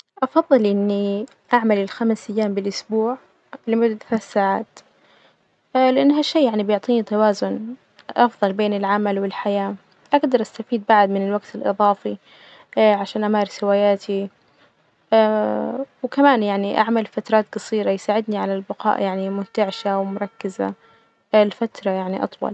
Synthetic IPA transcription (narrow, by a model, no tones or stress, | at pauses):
ʔɑfɑðˤːɨlʔɪnːi | ʔaʕmalɪlxamsajːaːmbɪlʔʊsbuːʕ | lɪmʊd̪ːad̪θaːθsaːʕaːt̪ | lɪʔanːɦaʃːiːjaʕnibɪjʊʕt̪ˤiːnit̪awaːzʊn | ʔɑfðˤɑlbeːnɪlʕamalwɪlħajaː | ʔaɡd̪ɑɾˤʔast̪afiːd̪̚baʕd̪mɪnɪlwaɡt̪ɪlʔɨ̰ðˤɑːfi | ʕaʃaːnʔamaːɾsɪwaːjaːt̪ʰi | wkamaːnjaʕniʔa̰ʕmalfat̪ɾˤɑːt̪ɡɑsˤiːɾɑjsaːʕɪd̪niʕalalbɪqɑ̰ːʔjaʕnimʊnt̪aʕʃawmʊɾˤɑkːɪza̰ | lfat̪ɾˤɑjaʕniʔɑ̰t̪ˤwɑ̰l